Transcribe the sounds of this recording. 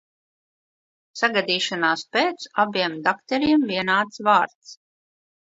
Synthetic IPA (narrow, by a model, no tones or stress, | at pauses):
saɡad̪iːʃanaːspeːt̪sabiɛmd̪akt̪ɛɾiɛmviɛnaːt̪svaːɾt̪s